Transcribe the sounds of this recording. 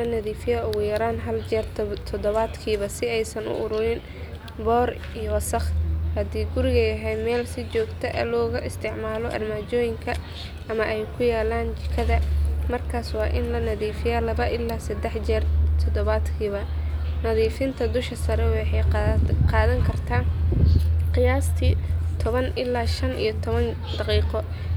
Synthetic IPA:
lɐnɐðiːfɪjaːʊɣʊjɐɾaːnɦɐld͡ʒɛːrt̪ʰt̪ʰɔd̪ɔβad̪kʰiːβɐsɪɛjsɐnʊ̰ʔʊɾʊɾɪn | bɔːr | ijɔwɐsɐχhɐd̪iːɡʊɾɪɣɐjɐɦɛjmɛːlsɪt͡ʃɔːɡt̪ʰɛʔɐ̰lɔːɣɐʔɪst̪ʰɪʕmaːlɔʔɐ̰rmaːt͡ʃɔːjɪŋkʰɐ | ʔɐmɐʔɛjkʰʊjaːlaːnt͡ʃɪkʰɐðɐmɐrkʰaːswɑːʔɪnlɐnɐðiːfɪjaːlɐβɐʔɪlːaːsɐd̪ɛħd͡ʒɛrt̪ʰɔd̪ɔβaːd̪kʰiːβɐnɐðiːfɪnt̪ʰɐd̪ʊʃkʰɐsɐɾɛwɑħɑjqɑːðɐŋkʰɐrt̪ʰaːn | qɪjaːst̪ʰiːt̪ʰɔβɐnʔɪlːaːʃɐnʔḭjɔt̪ʰɔβɐn | d̪̥ɑqiːqɔ

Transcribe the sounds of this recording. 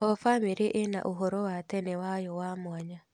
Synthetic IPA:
ɔfamiɾiʔena̰ʔuɦoɾowat̪ɛnewajɔwamwaɲa

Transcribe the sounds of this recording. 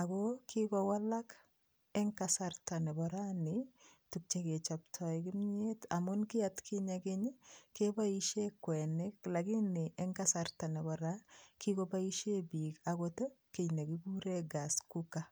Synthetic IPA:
akɔkʰikɔwalak | ɛŋkasartanɛbɔɾanɪtuk̚t͡ʃeket͡ʃap̚tʰɔikimɲeta̰mʊnkɪatkʰiɲakɪɲkebaiʃekwɛnɪklaɡɪnɪʔɛŋkasartanɛbɔɾakikobaiʃebikakotokenakibuɾeɡaskuka

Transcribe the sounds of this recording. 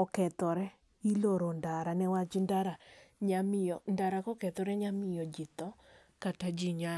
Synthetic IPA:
ɔkɛt̪ɔɾɛ | iloɾondaɾanɛwad͡ʒindaɾaɲamijɔndaɾakɔkɛt̪ɔɾɛɲamɪjɔd͡ʒit̪ɔ | katad͡ʒiɲa

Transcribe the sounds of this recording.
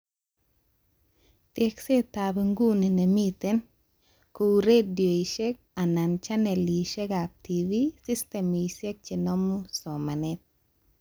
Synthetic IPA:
t̪ekset̪abiŋɡuninemit̪en | kuɾedjojʃek̚anant͡ʃaneliʃekap̚t̪ʰivisist̪emisek̚t͡ʃinomusomanet̪̚

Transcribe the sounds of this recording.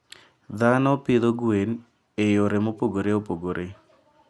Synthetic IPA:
d̪anɔpɪd̪oɡwen | ejoɾemopoɡoɾeopoɡoɾʔe

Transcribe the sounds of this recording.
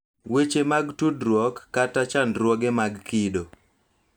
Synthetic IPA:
wet͡ʃemaɡtudɾwɔkːatat͡ʃandɾwɔɡemaɡkido

